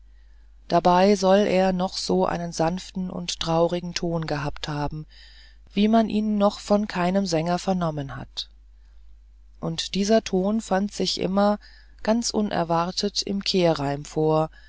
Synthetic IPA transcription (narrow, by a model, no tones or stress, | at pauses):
d̥abaɪzɔlʔeːɐnɔχz̥oːʔa̰ɪnənzanftn̩ʔʊ̰nttʁ̥aʊʁɪɡŋ̩tʰoːnɡəɦaːpthaːbm̩ | v̥iːmanʔḭːnːɔχfɔnkʰaɪnəmzɛŋɐfɛɐnɔmənha̰t | ʔʊntd̥iːzɐtʰoːnfantz̥ɪçʔɪ̰mɐ | ɡ̥ant͡sʔʊnʔɛ̰ɐvaʁtʰətɪ̰mkʰeːɐʁaɪmfoːɐ